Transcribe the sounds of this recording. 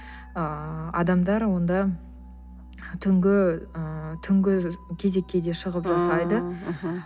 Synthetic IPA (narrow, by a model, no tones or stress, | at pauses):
əɑ̰d̪ɑmd̪ɑɾwo̞nd̪ɑ | t̪ʰʏŋɡʲɪət̪ʰʏŋɡʲɪkʲʰe̞ze̞kʲːe̞d̪e̞ʃəʁəpʒɑsɑjd̪ə